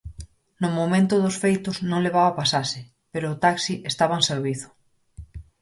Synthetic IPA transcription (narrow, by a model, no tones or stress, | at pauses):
nʊmomẽnt̪ʊðʊsfejt̪ʊznõŋleβ̞aβapasasɪ | peɾʊːt̪aksiʔest̪aβaŋseɾβiθʊ̥